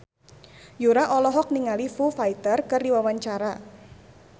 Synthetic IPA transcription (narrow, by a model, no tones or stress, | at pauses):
juɾaʔɔlɔɦɔk̚niŋalifufajt̪ərkɨrdiwawaɲt͡ʃaɾa